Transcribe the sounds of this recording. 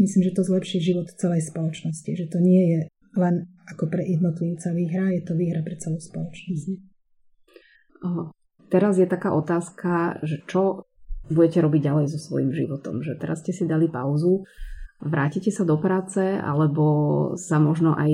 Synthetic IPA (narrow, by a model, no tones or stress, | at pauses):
misliːmʒɛt̪ɔzlɛpʃiʒiʋɔt̪t͡sɛlɛjspɔlɔt͡ʃnɔsciʒɛt̪ɔɲɪɛjɛ | lɛnakɔpɾɛjɛd̪nɔt̪liʊt͡saʋiːɦɾajɛt̪ɔʋiːɦɾapɾɛt͡sɛlɔspɔlɔt͡ʃnɔs | t̪ɛɾazjɛt̪akaːʔɔt̪aːskʰaʒɛt͡ʃɔbuɟɛcɛɾɔbiɟɟalɛjzɔsʋɔ̰jimʒḭʋɔt̪ɔ̰mʒɛt̪ɛɾasscɛsid̪alipaʊzu | ʋɾʔaːcicɛsad̪ɔpɾaːt͡sɛa̰lɛbɔsamɔʒnɔʔa̰j